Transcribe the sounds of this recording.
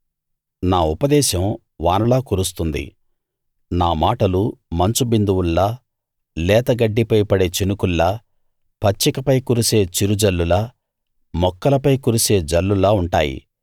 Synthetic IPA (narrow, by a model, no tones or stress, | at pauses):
naːupɐd̪ɛːʃɐm | ʋaːnɐlaːkuːɾust̪und̪ḭ | naːmaːʈɐlumɐɲt͡ʃubind̪uwulːɐ | lɛːt̪ɐɡɐɖːipɐjpɐɽe̞ːt͡ʃinukulːɐ | pɐt͡ʃːikɐpɐjkuɾuseːt͡ʃiɾud͡ʒɐlːulɐ | mɔkːɐlɐpɐjkuɾuse̞ːd͡ʒɐlːulɐuɳʈaːjḭ